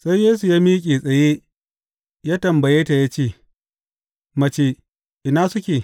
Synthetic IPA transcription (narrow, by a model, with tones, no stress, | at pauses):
sa˦jjeː˦s̬u˨jaː˦miː˦kʲʼeː˨sʼɐ˨je˦ | jaː˦tɐ˨mbɐ˨jeː˦ta˨ja˦t͡ʃeː˦˨ | mɐ˨t͡ʃeː˨ | ʔɪ˨naː˦sʊ˦kʲeː˨